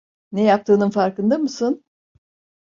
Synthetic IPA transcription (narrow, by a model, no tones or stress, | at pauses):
nejap̚t̪ʰɯːnɯnfaɾkɯnd̪amɯsɯn